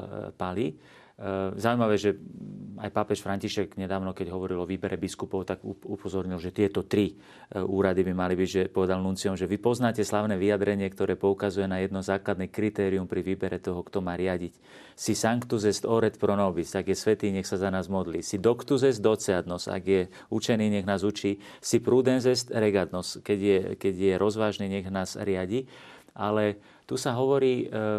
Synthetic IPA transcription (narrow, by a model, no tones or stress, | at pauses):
pali | zauijmaʋɛːʒɛajpapɛʃfɾaɲciʃɛɡɲɛd̪aːʊnɔkɛɟɦɔʋɔɾilɔʋiːbɛɾɛbiskupɔʊt̪aɡuupɔzɔɾɲilʒɛt̪ɪɛt̪ɔt̪ɾi | uːɾad̪ibimalibiɟʒɛpɔʋɛd̪alnunt͡siɔmʒɛʋipɔznaːcɛslaʊnɛʋijad̪ɾɛɲɪɛkt̪ɔɾɛːpɔukazujɛnajɛd̪nɔzaːklad̪nɛkɾit̪ɛːɾiumpɾiʋiːbɛɾɛt̪ɔɦɔkt̪ɔmaːɾɪaɟic | sisaŋkt̪uzɛst̪ɔɾɛt̪pɾɔnɔbisaɡjɛsʋɛt̪iːɲɛxsazanaːzmɔd̪lḭːsid̪ɔkt̪uzɛzd̪ɔt͡sɛad̪nɔsa̰ɡjɛ | ut͡ʃɛniːɲɛɣnaːzut͡ʃiː | sipɾud̪ɛnzɛst̪ɾɛɡad̪nɔskɛɟjɛkɛɟjɛɾʔɔzʋaːʒniːɲɛɣnaːz̥ɾɪaɟi | ʔalɛ | t̪usaɦɔʋɔɾiː